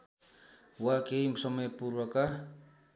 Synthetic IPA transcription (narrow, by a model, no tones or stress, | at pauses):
wakejmsomepuɾuaka